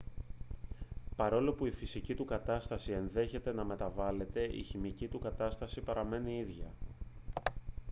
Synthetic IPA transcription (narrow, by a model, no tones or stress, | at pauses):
pɐɾo̞lo̞puifisicit̪ukɐt̪ɐst̪ɐsie̞nðe̞çe̞t̪e̞nɐme̞t̪ɐvɐle̞t̪e̞ʔḭçimicit̪ukɐt̪ɐst̪ɐsipɐɾɐme̞niiðʝɐ